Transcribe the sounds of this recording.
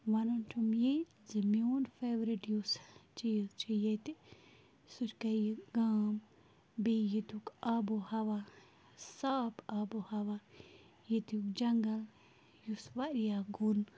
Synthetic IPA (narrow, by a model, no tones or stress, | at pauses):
ʋɐnuntʰumje | zimjoːnfeːʋɾiʈjust͡ʃijzt͡ʃijet̪i | suɾkɐjɡaːm | bejit̪ukaːbohɐʋa | saːpaːbohɐʋa | jet̪jukd͡ʒɐŋɡɐl | jusʋaɾijaːɡun